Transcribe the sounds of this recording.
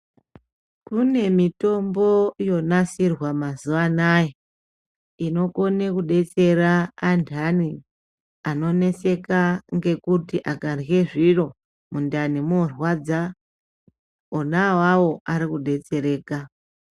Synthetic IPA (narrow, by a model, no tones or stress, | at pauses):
kune̞mito̞mbo̞jo̞nasirwamazuʋanaje | ino̞ko̞nekuɗe̞t͡se̞ɾaːndʰʱani | ano̞ne̞se̞kaŋɡe̞kutiʔakanje̞ʐiro̞ | mundanimorwad͡za | onawawo̞aɾikuɗe̞t͡se̞ɾe̞ːka